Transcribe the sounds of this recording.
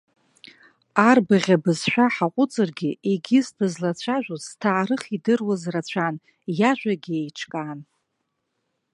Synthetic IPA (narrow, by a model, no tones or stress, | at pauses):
arbɨʁʲabɨzʃʷᶣaħaqʷʼʊt͡sʼɨrɡʲieɡʲɪsdɨzlat͡ɕʷʰaʒʷᶣoztʰaːɾɨχidɨrwazrat͡ɕʷʰan | jaʒᶣʷaɡʲiejʈ͡ʂʰkʼaːn